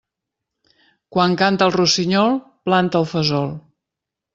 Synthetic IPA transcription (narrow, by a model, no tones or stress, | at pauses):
kwaŋkant̪əlˠrusiɲɔlˠplant̪əːlˠfəzɔlˠ